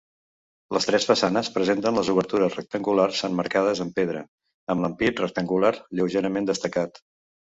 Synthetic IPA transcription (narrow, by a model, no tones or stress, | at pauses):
ləst̪ɾɛsfəsanəspɾəzent̪ənləzuβ̞əɾt̪uɾəsrək̚t̪əŋɡularsənməɾkað̞əzəmpeðɾə̰ | əmləmpit̪rək̚t̪əŋɡulaɾʎəwʒeɾəmend̪əst̪əkat̪